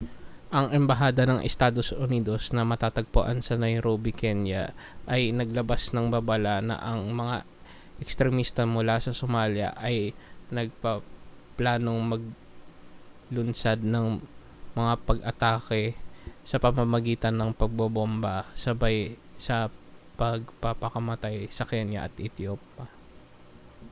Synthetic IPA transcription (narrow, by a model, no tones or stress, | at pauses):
ʔɐŋʔɛmbɐɦaːd̪ɐnɐŋʔɛ̰st̪aːd̪o̞sʔʊniːd̪o̞snɐmɐt̪aːt̪ɐɡ̚po̰ʔansɐnɐjɾobɪkɛnjɐ̰ʔɐjnɐɡlɐbasnɐŋbabɐlanɐ̰ʔɐŋmɐŋa̰ | ʔɛkst̪ɾɛmist̪ɐmʊlasɐsomaːljɐ̰ʔɐjnɐɡ̚pɐ | plaːno̞ŋmɐɡ̚ | lʊnsad̪̚nɐŋ | mɐŋapɐɡʔɐt̪aːkɛsɐpɐmɐmɐɡiːt̪ɐnːɐŋpɐɡ̚bɐbombɐsɐbaj | sɐpɐɡ̚pɐpɐkɐmɐt̪ajsɐkɛnjɐ̰ʔɐt̪ʔɛt̪joːp̚ːɐ